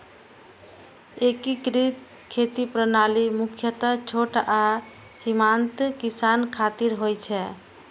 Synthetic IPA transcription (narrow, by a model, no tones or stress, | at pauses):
ekikɾit̪ | kʰet̪ipɾənalimukʰjət̪ət͡ʃʰoʈa | simant̪kisankʰat̪iɾɦojt͡ʃʰɛ